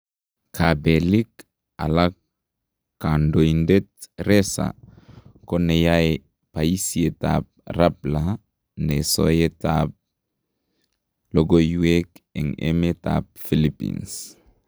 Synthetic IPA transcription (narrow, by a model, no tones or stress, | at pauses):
kʰabelik | a̰lak | kːandoindet̚ɾesa̰ | konejae | paisieta̰p̚rapla | neso̰jetap̚ | loɡojuekḛŋḛmeta̰p̚filipḭns